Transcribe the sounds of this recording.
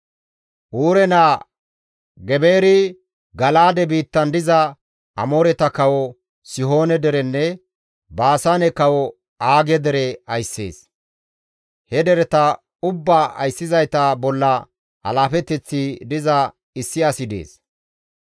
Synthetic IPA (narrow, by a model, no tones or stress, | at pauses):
ʔuːɾɛnaː | ɡɛbe̞ːɾɪ | ɡɐlaːd̪ɛbiːt̪ːɐnd̪ɪzɐ | ʔɐmoːɾɛt̪ɐkɐwɔ | sɪɦo̞ːnɛd̪ɛɾɛnːɛ | baːsanɛkɐwɔ | aːɡɛd̪ɛɾɛɐjsːe̞̰ːs | hɛd̪ɛɾɛt̪ɐ | ʊbːaːɐ̰jsːɪzɐjt̪abɔlːɐ | ɐ̰laːfɛt̪ːɛt͡sːɪd̪ɪzɐ | ɪsːɪɐsɪd̪ḛːs